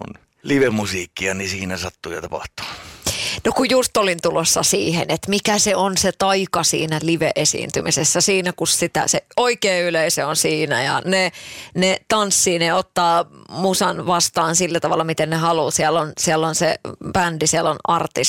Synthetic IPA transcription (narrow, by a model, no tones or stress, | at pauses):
o̰n | liʋemusiːkːiɑnisiːnæsɑt̪ːujɑ̰t̪ɑpɑ̰ht̪u̥ | nokujjust̪olint̪ulosːɑsiːhḛnet̪mikæseonset̪ɑikɑsḭːnæliʋeʔesḭːnt̪ymisesːæsiːnækussit̪æ̰seoikeːyleiseonsiːnæ̰jɑ̰nenet̪ɑnsːiːneot̪ːɑːmusɑnʋɑst̪ɑːnsilːæt̪ɑʋɑ̰lːɑmit̪ennehɑluːsiælːonsiælːonsḛb̥ændisiælːonʔɑrt̪is